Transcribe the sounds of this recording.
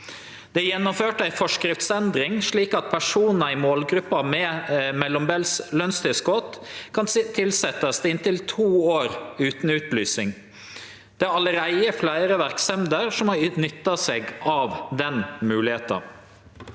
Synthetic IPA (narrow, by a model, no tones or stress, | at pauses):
d̪̥ɛjɛnːɔmføːʈəæɪfɔʂkɾɪft̪sɛnd̪ɾɪŋʂɭiːkɑt̪̚pʰæʂuːnn̩əɪmoːlɡɾʉpːɑmɛmɛlɔmbɛlslœnst̪ʰɪskot̪kʰɑnt̪ʰɪlsɛt̪ɑsd̪ɪnt̪ɪlt̪ʰuːoːɾʉːt̪n̩ʉːt̪lyːsɪŋ | d̪̥ɛæɑləɾæɪəflæɪɾəʋæɾksɛmd̪əɾʂɔmɑnʏt̪ːɑseːɡɑʋd̪ɛnmʉːlɪheːt̪ɑ̰